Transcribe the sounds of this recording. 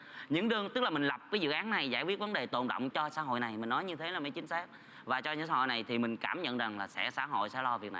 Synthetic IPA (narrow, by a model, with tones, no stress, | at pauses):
ɲɨ̰˧˥ŋɗɨ˨˧˩əŋt̪ɨ˦˥k̚laː˨˩mï˨˩ŋ̟la˨˩p̚kaː˨˦jzɨ̰˧˨ʔaː˨˦nna˨˩jzaː˧˩jkwi˦˥ət̚və˨˦nɗe˨˩t̪o̰˧˨nɗə̰˧˨wŋ͡mt͡ɕɔ˧sa̰ː˧˥ɦo̰˧˨jna˨˩jmï˨˩ŋ̟nɔ˨˦jɲɨ˧t̪ʰe˨˦laː˨˩mḭ˧˦jt͡ɕï˨˦ŋ̟saː˦˥k̚ | vaː˨˩t͡ɕɔ˧ɲɨ̰˧˥ŋsaː˧˦ho̰˧˨jna˨˩jt̪ʰi˨˩mï˨˩ŋ̟kaː˧˩mɲə̰˧˨nza˨˩ŋlaː˨˩sɛ̰˧˥saː˧˥ɦo̰˧˨jsɛ̰˧˥lɔ˧vi˨˩ək̚na˨˩